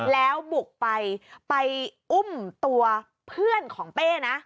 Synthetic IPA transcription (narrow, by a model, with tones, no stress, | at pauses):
lɛː˦˥wbu˨˩k̚pa˧jpa˧jʔu˥˩mt̪u˧ɐ | pʰɯ˥˩ənkʰɔː˩˦ŋpeː˥˩na˦˥ʔ